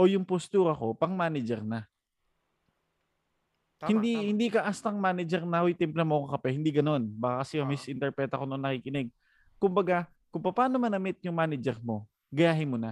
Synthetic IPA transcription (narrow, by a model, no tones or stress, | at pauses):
ʔo̞jʊŋpost̪uːɾɐko̞pɐŋmaːnɛd͡ʒɛɾna | hɪnd̪ihɪnd̪ikɐʔast̪ɐŋmaːnɛd͡ʒɛɾnɐhojt̪ɛmplɐmokkɐpɛhɪnd̪iɡɐno̞nbakakɐsɛkɐmɪsʔɪnt̪ɛɾpɛt̪ɐkonnɐkikɪnɛɡ̚ | kʊmbɐɡa | kʊŋpɐpaːnomɐnɐmɪt̪̚jʊŋmaːnɛd͡ʒɛɾmo̞ | ɡɐjaːɦɪnmona